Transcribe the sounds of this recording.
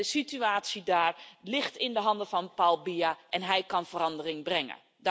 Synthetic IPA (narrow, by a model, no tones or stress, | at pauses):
əsityaːtsidaːrlɪxtɪndəɦɑndəfɔnpalˠbiaʔɛnɦɛjkɑnfərɑndərɪŋbrɛŋə̰ | d